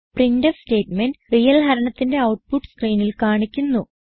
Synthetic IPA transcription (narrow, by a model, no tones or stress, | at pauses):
prindɐste̞ːtmenɖrijɐlɦɐɾɐɳɐt̪ːinde̞ɐwʈ̚puʈːskriːnilkaːɳikʲːunːu